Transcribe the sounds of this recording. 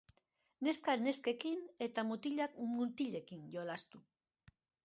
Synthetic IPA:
ne̞skaɾne̞ske̞kine̞t̪amut̪iʎakmut̪iʎe̞kinjo̞last̪u

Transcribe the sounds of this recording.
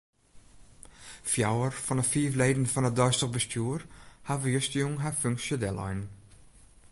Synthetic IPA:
fjawəɹfɔnəfiːvleːdn̩fɔnədɑɥstəʁbəstjuːɹhavəjʏstəjʊŋɦafʏŋksədɛlɔ̰jn

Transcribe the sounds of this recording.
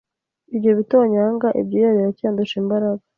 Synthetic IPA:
ibɟoβitoːɲaːŋɡaʔḭb̚ɟijaɾiɾacaːnduʃimbaɾaɡa

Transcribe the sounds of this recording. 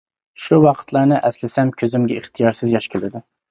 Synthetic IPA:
ʃuwɑqʰə̥t̪ʰlˠɑɾnɨʔɛslɪsɛmkʲʰøzymɡʲɛiχt̪ʰijɑɾsɪzjɑʃkʲʰɪlɪd̪ɪ

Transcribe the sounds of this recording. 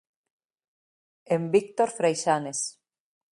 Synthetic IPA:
embik̚t̪oɾfɾejʃanes

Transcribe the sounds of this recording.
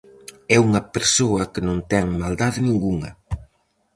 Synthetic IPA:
ɛuŋɐpeɾsoɐkənõnt̪ɛŋmald̪aðnĩŋɡuŋɐ̰

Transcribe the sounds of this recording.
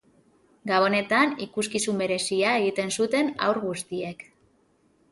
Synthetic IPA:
ɡaβo̞ne̞t̪anikuskisumbe̞ɾe̞siae̞ɣit̪e̞nsut̪e̞na̰wɾɣust̪ie̞k

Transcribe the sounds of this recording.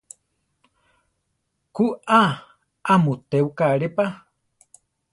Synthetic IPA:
kuʔa | ʔamut̪eukaɾepa

